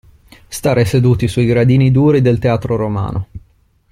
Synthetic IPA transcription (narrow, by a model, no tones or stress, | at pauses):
st̪aːɾesed̪uːt̪isuiɡɾad̪iːnid̪uːɾid̪elt̪eaːt̪ɾoɾoma̰ːnʔo